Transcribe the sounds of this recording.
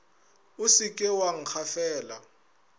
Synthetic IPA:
usikʼɛwaŋ̩xʰafɛːla

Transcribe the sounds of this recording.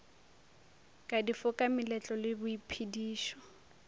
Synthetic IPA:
kʼadifʊkʼamɪlɛt͡ɬʼɔlɪbʊipʰidiːʃɔ̥

